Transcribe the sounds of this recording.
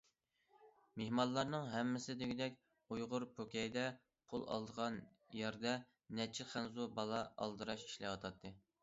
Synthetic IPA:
mehmɑnlˠɑɾnɨŋɦɛmːɪsɪd̪ɪɡʲid̪ɛkʲ | ujʁʊɾpʰokʲɛjd̪ɛ | pʰolˠɑ̰lˠd̪əʁɑn | jɛɾd̪ɛ | nɛt͡ʃʰɪχænzubɑlˠɑɑ̰lˠd̪ɨɾɑʃi̥ʃlɛwɑt̪ʰɑt̪ʰːɨ

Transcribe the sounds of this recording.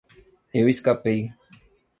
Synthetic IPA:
ewiskapej

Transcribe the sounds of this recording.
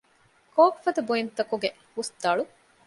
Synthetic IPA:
koːkfɐd̪ɐbuint̪ɐkuɡe | husd̪ɐɭu

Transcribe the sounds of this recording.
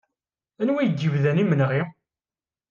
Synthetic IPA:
ænwijədjivðænimənʁi

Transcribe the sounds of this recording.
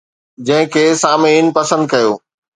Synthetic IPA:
d͡ʑɐ̃ɦɪ̃kʰeːsaːmiːnpɐsə̃nd̪̚kɐjoː

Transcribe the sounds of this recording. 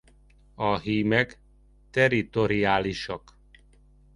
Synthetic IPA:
ɒɦiːmɛk | t̪ɛrit̪o̞ɾiaːliʃɒk

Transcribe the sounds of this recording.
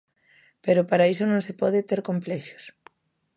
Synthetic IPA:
peɾʊpaɾaisʊnõŋsepɔð̞ɪt̪eɾkomplɛʃo̥s

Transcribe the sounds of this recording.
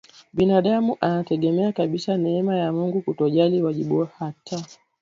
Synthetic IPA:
ɓinaɗamuʔanatɛɠɛmɛakaɓisanɛɛmajamuŋɡukutɔʄaliwaʄiɓuwahata

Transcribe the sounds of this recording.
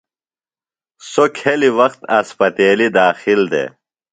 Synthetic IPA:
sokʰeliwɐxt̪ɐspɐt̪eːlid̪aːxild̪ḛː

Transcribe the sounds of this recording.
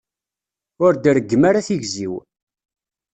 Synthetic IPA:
ʊɾd̪əɾəɡːmaɾaθiʝziw

